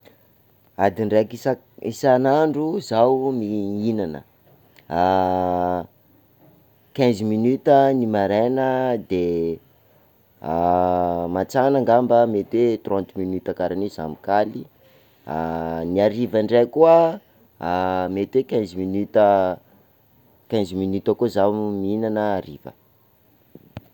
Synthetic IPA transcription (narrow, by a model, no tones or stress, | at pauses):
ad̪iɳɖ͡ʐekisa | isanaɳɖ͡ʐuzawmiinanə̰ | a | kɛ̃nzminyt̪ənimaɾenəd̪e | mat͡sanaŋɡambəmet̪wet̪rɔ̃nt̪minyt̪akaɾanizamikali | aniaɾivaɳɖ͡ʐekuə | met̪wekɛ̃nzminyt̪ə | kɛ̃nzminyt̪əkozaminanəːɾivə̰